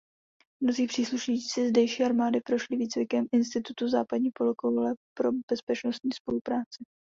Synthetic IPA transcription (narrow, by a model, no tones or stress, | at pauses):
mno̞ziːpr̥iːsluʃɲiːt͡sɪzdɛjʃiːʔaɾmaːdɪpɾo̞ʃlɪviːt͡svɪkɛmʔɪnst̪ɪt̪ut̪uzaːpadɲiːpolokolɛpɾo̞bɛspɛt͡ʃno̞st̪ɲiːspo̞lupɾaːt͡sɪ